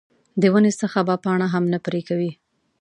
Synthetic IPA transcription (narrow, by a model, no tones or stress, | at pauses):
d̪əwənesəxabapɑɳ̃aɦamnapɾekawi